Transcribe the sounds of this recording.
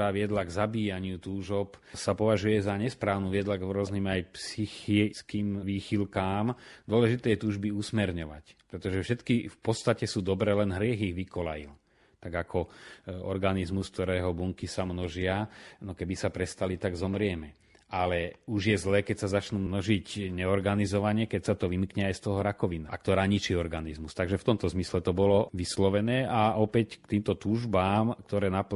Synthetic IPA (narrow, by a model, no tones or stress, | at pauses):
aːʋɪɛd̪laɡzabiːjaɲɪut̪uːʒɔpsapɔʋaʒujɛzaɲɛspɾaːʊnuːʋɪɛd̪laɡɾɔzniːmajpsixiskiːmʋiːxilkaːmd̪ʊɔlɛʒit̪ɛːjɛt̪uːʒbiusmɛɾɲɔʋa̰cpɾɛt̪ɔʒɛfʃɛt̪kifpɔt̪st̪acɛsuːd̪ɔbɾɛːlɛnɦɾɪɛɣiɣʋikɔla̰jḭl | t̪aɡakʰɔɔ̰ɾɡanizmuskt̪ɔɾɛːɦɔbuŋkisamnɔʒɪanɔkɛbisapɾɛst̪alit̪aɡzɔmɾɪɛmɛ | ʔalɛuʒjɛzlɛːkɛcsazat͡ʃnuːmnɔʒicɲɛɔɾɡanizɔʋaɲɛkɛcsat̪ɔʋimkɲɛajst̪ɔɦɔɾakɔʋinaa̰k̚t̪ɔɾaːɲit͡ʃiɔɾɡanizmust̪aɡʒɛft̪ɔmt̪ɔzmislɛt̪ɔbɔlɔʋislɔʋɛnɛːaɔpɛckt̪iːmt̪ɔt̪uːʒbaːmk̚t̪ɔɾɛːnap